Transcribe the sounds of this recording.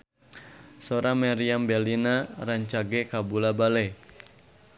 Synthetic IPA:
soɾamaɾiambɛlinaɾaɲt͡ʃaɡɛkabulabale

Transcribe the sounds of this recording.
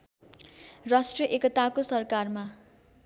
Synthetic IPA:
rasʈrʌʔekʌt̪akosʌrkarma

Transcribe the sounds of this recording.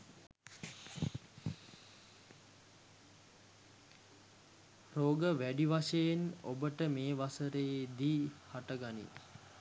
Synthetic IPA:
roːɡəʋæɖiʋaʃejeno̰bəʈəmeːʋasəɾəed̪iːhaʈəɡanḭ

